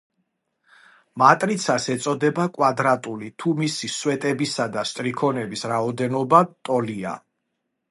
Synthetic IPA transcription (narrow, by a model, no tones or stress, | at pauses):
mat̪ʼɾit̪sʰasɛt̪sʼɔd̪ɛbakʼwad̪ɾat̪ʼulit̪ʰumisiswɛt̪ʼɛbisad̪ast̪ʼɾikʰɔnɛbisɾaɔd̪ɛnɔbat̪ʼɔlia̰